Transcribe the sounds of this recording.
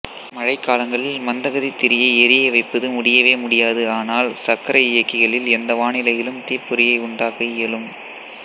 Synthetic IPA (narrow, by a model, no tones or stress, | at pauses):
mɐɻɐɪkːaːlɐŋɡɐɭɪlmɐnd̪ɐɣɐðit̪ːɪɾɪjɐɪɛɾɪjɐɪʋɐɪpːɐðɯmʊɽɪjɐʋeːmʊɽɪjaːðɯaːnaːlsɐkːɐɾɐɪjɐkːɪɣɐɭɪlɛnd̪ɐʋaːnɪlɐjɪlɯmt̪iːpːʊɾɪjɐɪʊɳɖaːkɐɪjɛlɯm